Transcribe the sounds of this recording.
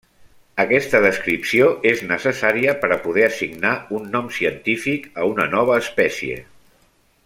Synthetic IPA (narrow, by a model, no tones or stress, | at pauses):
əkɛst̪əðəskɾipsioʔeznəsəsaɾiəpəɾəpuð̞ɛəsiɡnaunːɔmsiənt̪ifikəunənɔβ̞əːspɛsiḛ